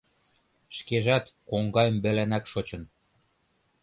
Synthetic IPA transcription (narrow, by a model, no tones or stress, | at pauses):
ʃkeʒæt̪koŋɡɑjəmbɘ̆lænækʃot͡ɕɤ̆n